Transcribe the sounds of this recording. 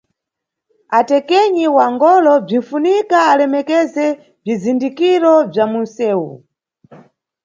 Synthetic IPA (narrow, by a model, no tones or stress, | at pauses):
atɛkɛɲiwaŋɡɔlɔb͡ʐin̩funikaːlɛmɛkɛzɛ | b͡ʐizindikiɾɔb͡ʐamun̩sɛːwṵ